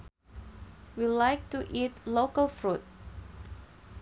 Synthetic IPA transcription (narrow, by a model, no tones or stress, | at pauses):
wilaɪk̚tuʔitlokəlfɹut̚